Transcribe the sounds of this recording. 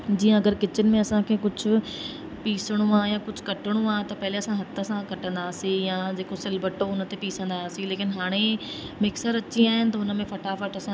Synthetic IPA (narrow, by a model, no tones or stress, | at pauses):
d͡ʑiːə̃ɐɡəɾkɪt͡ɕənɪ̆mẽɐsãkʰeːkʊd͡ʑʱʊ̆ | piːsəɽ̃ũaːjãkʊd͡ʑʱkɐʈəɽ̃ũaːt̪ɐpɐɦɪleɐsãɦɐt̪ʰəsãkɐʈə̃nd̪aːsĩjãd͡ʑeːkosɪlbəʈoʊnət̪epiːsə̃nd̪asĩleːkɪnɦaːɽ̃emɪksəɾɐt͡ɕiaːɦɪnɪ̆t̪ɐʊnə̆mẽfɐʈaːfəʈɐsã